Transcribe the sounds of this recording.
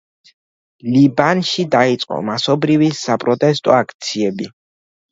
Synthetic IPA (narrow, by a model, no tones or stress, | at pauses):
libanʃid̪ait̪sʼqʼɔ̰masɔbɾivisapʼɾɔt̪ʼɛst̪ʼɔ̰akʰt̪sʰiɛbi